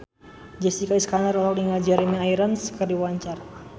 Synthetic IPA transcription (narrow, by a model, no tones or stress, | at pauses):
d͡ʒɛst̪ikaiskanaɾɔlawdiŋad͡ʒɛɾimiajiɾənskərdiwaɲt͡ʃar